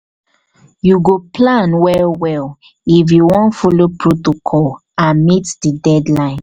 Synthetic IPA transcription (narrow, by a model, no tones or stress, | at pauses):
juɡoplãnwɛlwɛl | ifjuwɔ̃ntfolopʰɹotokʰɔl | ãmitdidɛdlãɪ̃n